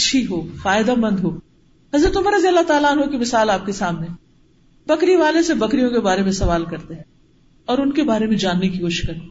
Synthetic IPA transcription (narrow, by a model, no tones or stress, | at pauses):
ɐtːʃʰiɦoːfaːɪd̪amɐ̃nd̪ɦoː | ɦɐzɾət̪ʊməɾɐziɐlːat̪aːlaːnɦokimɪsaːlaːp̚kesaːmneɦ | b̥ɐkɾiʋaːlesebɐkɾijõkebaːɾemẽsɐʋaːlkɐɾt̪eɦɛ̃ | ɔːɾʊnkebaːɾemẽd͡ʒaːnːekikoːʃɪ̥ʃkɐɾiː